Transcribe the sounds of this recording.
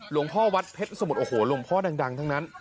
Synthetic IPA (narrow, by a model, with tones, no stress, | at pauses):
lu˨˩˦əŋpʰɔː˥˩wa˦˥t̪̚pʰe˦˥t̪̚sa˧mu˨˩t̪ʔoː˨˩hoː˩˦lo˧˩mpʰɔː˥˩da˧ŋda˧ŋt̪ʰa˦˥ŋna˦˥n